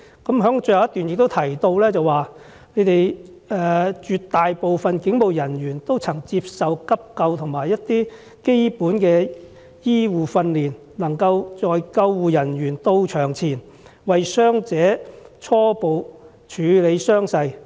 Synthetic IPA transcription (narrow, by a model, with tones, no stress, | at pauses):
kɐ˨˥mɦœː˨˥ŋt͡ʃɵ˧jhɐ˨wjɐ˥t̪yː˨njɪk̚t̪o˥wt̪ʰɐ˨˩jt̪o˧wlɛː˥t͡sɐ˨waː˨ | ne˨˧jt̪e˨j | ɛː˨˧t͡ʃyː˨˧t̪ːaː˨jpo˨wfɐ˨nkɪ˨˥ŋpo˨wjɐ˨˩nɥyː˨˩nt̪o˥wt͡sʰɐ˨˩ŋt͡siː˧p̚sɐ˨wkɐ˥p̚kɐ˧wt̪ʰʊ˨˩ŋmaː˨˩jːɐ˥t̚t̪iː˥ | ke˥jpuː˨˥nkɛː˧ | jiː˥wuː˨˩fɐ˧nliː˨˩n | lɐ˨˩ŋkɐ˧wt͡sɔː˨jkɐ˧wːuː˨jɐ˨˩nɥyː˨˩nt̪o˧wt͡ʃʰœː˨˩ŋt͡sʰiː˨˩n | wɐ˨jsœː˥ŋt͡sɛː˨˥t͡ʃʰɔː˥po˨w | t͡ʃʰyː˨˧le˨˧jsœː˥ŋsɐ˧j